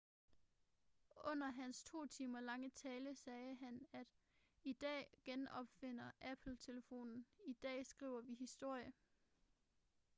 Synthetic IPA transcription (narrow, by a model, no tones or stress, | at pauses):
ʔɔ̽n̰ɐɦænst͡sʰo̝̰ːt͡sʰiːmɐlɑ̈ŋət͡sʰɛːləsɛːɦænæd̥ | id̥ɛ̰ːɡ̥enɒ̽b̥fe̝n̰ɐʔæpʰl̩t͡sʰe̝ləfo̝̰ːnn̩id̥ɛ̰ːsɡ̥ʁḭʊ̰ɐʋiɦisd̥o̝ɐ̰jə